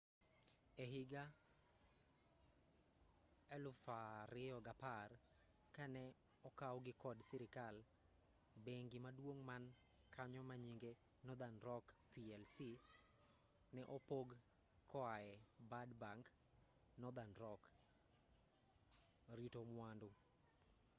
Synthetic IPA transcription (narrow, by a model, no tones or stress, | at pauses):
eɦɪɡa | ɛlʊfaɾɪɔɡapar | kanɛ | ɔkawɡɪkɔdsiɾɪkal | beŋɡɪmadwoŋman | kʰaɲɔmaɲiŋɡe | nɔd̪anɾɔk | piɛlsi | nɛʔɔpoɡ | kɔaɛbadbaŋk | nɔd̪anɾɔk | ɾitomwandʊ